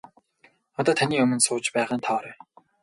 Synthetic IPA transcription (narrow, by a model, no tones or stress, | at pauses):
ɔt̪ɔːt̪ʰaniːɵmɵ̆nsʊːt͡ɕpæːʁaːnt̪ʰɔːɾe